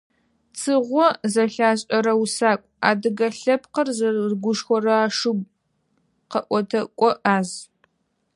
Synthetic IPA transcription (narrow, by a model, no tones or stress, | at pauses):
t͡sʰɨʁʷɔzɐɬaːɕʼɐɾɐwusaːkʷʼa̰ːdɨɡɐɬɐp̚ʰqərzɐzɡʷʊʃxʷɔrɐaːʂɨɡʷ | qɐʔʷɔtʰɐkʷʼɔʔaːz